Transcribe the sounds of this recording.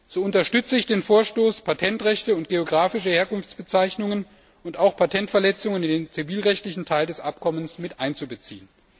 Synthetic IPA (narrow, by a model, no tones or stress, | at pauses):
z̥oːʊntɐʃtʏt͡səɪçd̥eːnfoːɐʃtoːspʰatʰɛntʁɛçtəʊnt̚ɡ̥eoɡʁaːfɪʃəheːɐkʊnft͡sb̥ət͡saɪçnʊŋən | ʊntaʊxpʰatʰɛntfɛɐlɛt͡sʊŋənɪndeːnt͡siviːlʁɛçtlɪçn̩tʰaɪldɛsʔap̚kʰɔmənsmɪtʔaɪnt͡subət͡sḭːən